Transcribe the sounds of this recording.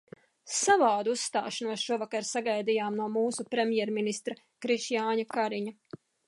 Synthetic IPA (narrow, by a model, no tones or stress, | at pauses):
savaːd̪uusːt̪a̰ːʃanuɔsʃuɔvakaɾsaɡajd̪ijaːmnuɔmuːsupɾemʲjɛɾminist̪ɾa | kɾiʃjaːɲakaɾiɲa